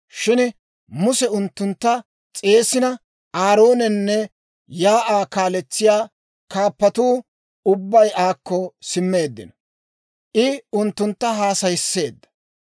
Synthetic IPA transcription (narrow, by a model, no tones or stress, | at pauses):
ʃɪn | mʊsɛʊnt̪ːʊnt̪ːɐ | t͡sʼe̞ːsɪnɐ | aːɾo̞ːnɛnːɛ | jaːʔaːkaːlɛt͡sːɪjaː | kaːpːɐt̪uː | ʊbːɐjʔaːkːɔsɪmːe̞ːd̪ːɪ̰nɔ | ʔɪʊnt̪ːʊnt̪ːɐɦaːsɐjsːe̞ːd̪ːɐ̥